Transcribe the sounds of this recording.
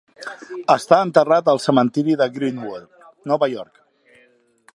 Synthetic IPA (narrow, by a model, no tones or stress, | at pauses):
əst̪aənt̪ərat̪əlˠsəmənt̪iɾiðəɣɾinwul | nɔβəjɔɾk